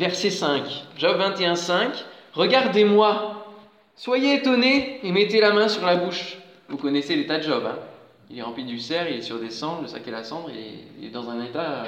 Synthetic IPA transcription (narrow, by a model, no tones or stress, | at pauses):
vɛʁsɛsɛ̃kʒɔbvɛ̃t̪eɛ̃sɛ̃kʁəɡaʁd̪emwa | swajeːt̪ɔneːmɛt̪elamɛ̃syʁlabuʃ | vukɔnɛselet̪ad̪əʒɔbɛ̃ | ilɛʁɑ̃plid̪ysɛʁilɛsyʁd̪esɑ̃d̪ʁləsa̰kelasɑ̃d̪ʁḛḭlɛ̰d̪ɑ̃zɛ̃net̪a